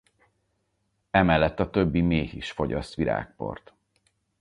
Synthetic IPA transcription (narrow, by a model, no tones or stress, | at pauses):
ɛmɛlːɛt̪ːɒt̪øbːimeːhiʃfo̞ɟɒst̪ʋiɾa̰ːk̚po̞̰rt̪